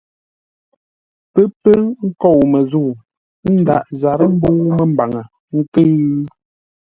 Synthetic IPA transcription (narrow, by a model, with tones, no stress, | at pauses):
pə˦pə˦ŋ̩˦kɔ˦˨wmə˨zu˦˨ | n̩˦da˨ʔza˨ɾə˦m̩˦bo˦mə˨m˨ba˨ŋə˨ | ŋ̩˦kə˦